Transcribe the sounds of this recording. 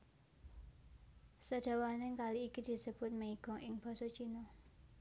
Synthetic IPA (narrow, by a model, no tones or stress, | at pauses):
səd̥a̤waneŋkaliːkid̪̥i̤səb̥ʊ̤t̪̚məiɡ̥ɔ̤ŋʔɪŋb̥ɔ̤sot͡ʃino